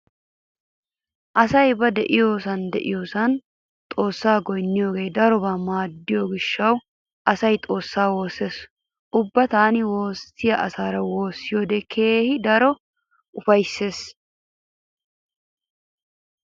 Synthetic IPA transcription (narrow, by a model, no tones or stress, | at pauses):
ʔɐsɐjbɐd̪ɛʔɪjo̞ːsɐnd̪ɛʔɪ̰joːsɐn | t̪ʼo̞ːsːaːɡɔjnːɪjoːɡe̞ːd̪ɐɾɔbɐmaːd̪ːɪjoɡɪʃːɐw | ʔɐsɐjt̪ʼo̞ːsːaːwo̞ːse̞ːs | ʔʊbːɐt̪aːnɪwo̞ːsːɪjɐʔɐsaːɾɐwo̞ːsːɪjoːd̪ekʰeːhɪd̪ɐɾɔ | ʔʊfɐjsːe̞ːs